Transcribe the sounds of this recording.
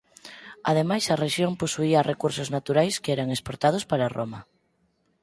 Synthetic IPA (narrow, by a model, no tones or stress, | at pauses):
a̰ðemajsɐreʃjomposuiarekuɾsʊznat̪uɾajskeɛɾaŋespoɾt̪að̞ʊspaɾaroma